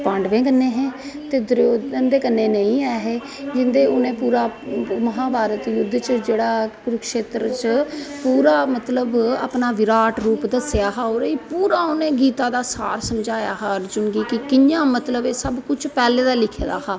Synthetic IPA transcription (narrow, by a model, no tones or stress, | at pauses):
pãːɳɖʋẽːɡənːẽːɦɛ̃ː | t̪eːd̪ɾoːdənd̪eːkənːeːnəĩːɛːɦeː | d͡ʒɪnd̪eːʊnẽːpuːɾaːməɦãːbaːɾət̪jʊd̪ːt͡ʃəd͡ʒeːɽaːkɾʊkʃeːt̪ɾt͡ʃəpuːɾaːmət̪ləba̰pnaːʋɪɾaːʈɾuːpd̪əsɪjaːɦaːoːɾiːpuːɾaːʊnẽːɡiːt̪ãːd̪aːsa̰ːɾsəmd͡ʒaːjaːɦaɾd͡ʒʊɳɡiːkɪkɪjãːmət̪ləbeːsəbkʊt͡ʃʰpɛːleːd̪aːlɪkʰeːd̪a̰ːɦaː